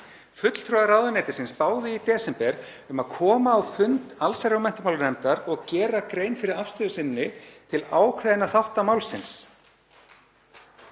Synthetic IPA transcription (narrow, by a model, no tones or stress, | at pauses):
fʏt̪l̥t̪ʰɾɔðaɾawðʏnejt̪ɪ̥sɪnspaːwðɪit̪ɛːsɛmpɛɾ | ʏmaðkʰɔːmaːwfʏnt̪alsaɾɛɣwmɛn̥t̪amawlɾnɛmt̪aɾɔɣcɛːɾakɾeːjnfɪɾɪɾafst̪œːðʏsɪnːɪt̪ʰɪlaːwkʰvɛːðɪnaθawht̪amaːwlsɪns